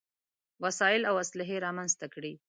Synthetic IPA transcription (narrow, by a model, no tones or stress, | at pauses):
wasɑjɪlawaslɪɦeɾɑmanzt̪akɽi